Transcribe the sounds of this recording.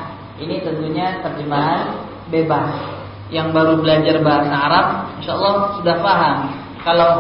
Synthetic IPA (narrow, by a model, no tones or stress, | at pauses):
init̪ənt̪uɲat̪ərd͡ʒəmaɦan | bebas | jaŋbaɾubəlad͡ʒarbaɦasaːɾap̚inʃaɑlːɑhsudahfaɦam | kala